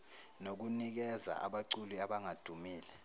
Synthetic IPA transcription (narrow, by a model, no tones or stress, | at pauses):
nok̬unik̬ɛza̰a̰ɓaǀuliaɓaŋad̥ʱumiːlɛ